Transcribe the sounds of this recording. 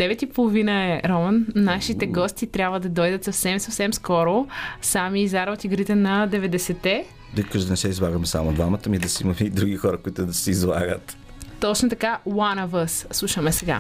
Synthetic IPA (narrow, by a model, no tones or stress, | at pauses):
d̪̥ɛvɛt̪ipolˠovinəɛɾɔmənːaʃit̪ɛɡɔst̪it̪ɾʲabvəd̪ɐd̪ɔjd̪ət̪sɐfsɛmsɐfsɛmskɔɾosamiːzaɾot̪iɡɾit̪ɛnɐd̪ɛvɛd̪ɛsɛt̪ɛ | d̪əjkəʒd̪ʊnɛsɛizlˠaɡəmɛsa̰mod̪vamət̪əmid̪ɐsimɐmɛid̪ɾuɡixɔɾɐkoit̪ʊd̪ɐsɛizlˠa̰ɡət̪ | t̪ɔt͡ʃnot̪ɐkawanɐvəsːlˠuʃəmɛsɛɡa̰